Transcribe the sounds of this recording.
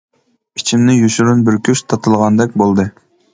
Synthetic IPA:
it͡ʃʰimnɪjyʃyɾynbɪɾkʲyʃt̪ʰɑt̪ʰɨlˠʁɑnd̪ɛk̚ʲbolˠd̪ɨ

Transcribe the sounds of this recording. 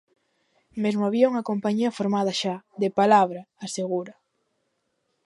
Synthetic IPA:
mezmoaβiauŋɐkompaɲiɐfoɾmaðɐʃaðepalaβ̞ɾaːseɣuɾɐ

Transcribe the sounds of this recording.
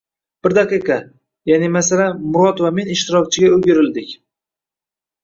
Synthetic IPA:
b̥ɪɾd̪aqɨqʰɑ | janɪmasalanmʊɾɒt̪vamenɪʃt̪ɪɾɒk̚ʲt͡ʃʰɪɡʲaɵɡʲɪɾɪld̪ɪkʲ

